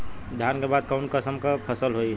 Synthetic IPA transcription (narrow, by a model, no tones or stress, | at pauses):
d̪ʱjankebad̪̚kənkəsəmkəpʰəsəlɦoi